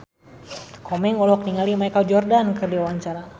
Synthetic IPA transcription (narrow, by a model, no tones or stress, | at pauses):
kʰɔmɛŋɔlɔk̚niŋalimajkald͡ʒɔrdankərdiawaɲt͡ʃaɾa